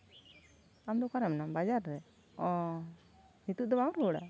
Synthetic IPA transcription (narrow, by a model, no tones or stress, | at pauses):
amd̪ɔkaɾɛmnabad͡ʒaɾːɛ | ɔ | nit̪uʔd̪ɔmaw̃ɾɔɽa̰